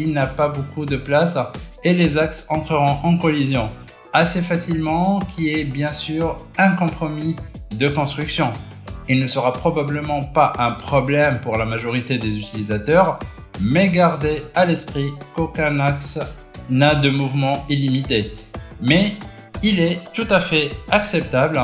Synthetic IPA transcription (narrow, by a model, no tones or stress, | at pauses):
ilnapabokud̪əplaselezaksɑ̃t̪χəʁɔ̃ʔɑ̃kɔlizjɔ̃ | asefasilmɑ̃kʲʰiɛbjɛ̃syːʁ | ɛ̃kɔ̃pχɔmi | d̪əkɔ̃st̪χyksjɔ̃ | ilnəsəʁapχɔbabləmɑ̃paʔɛ̃pχɔblɛmpuʁlamaʒɔʁit̪ed̪ezyt̪ilizat̪œʁ | mɛɡaʁd̪ealɛspχikokɛ̃naks | nad̪əmuvmɑ̃ilimit̪emɛ | ilɛt̪ut̪afɛaksɛpt̪abl